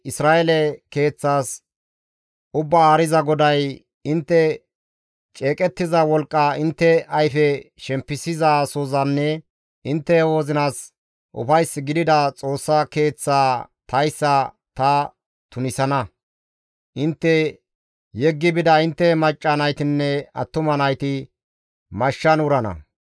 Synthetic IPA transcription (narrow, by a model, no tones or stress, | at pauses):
ɪsɾaːʔɛlɛke̞ːt͡sːaːs | ʔʊbːɐaːɾɪzɐɡɔd̪ɐj | ɪnt̪ːɛ | t͡ʃʼeːkʼɛt̪ːɪzɐwɔlkʼːɐɪnt̪ːɛɐjfɛʃɛmpːɪsɪzaːsozɐnːɛ | ʔɪnt̪ːɛwoːzɪnaːs | ʔʊ̰fɐjsːɪɡɪd̪ɪd̪ɐt͡sʼo̞ːsːɐke̞ːt͡sːaːt̪ʰɐjsːɐ | t̪ɐ | t̪ʊnɪsɐnɐ | ʔɪnt̪ːɛ | jɛɡːɪbɪd̪ɐɪnt̪ːɛmɐt͡ʃʼːɐnɐjt̪ɪnːɛɐ̰t̪ːʊmɐnɐjt̪ɪ | mɐʃːɐnʊɾɐnɐ̰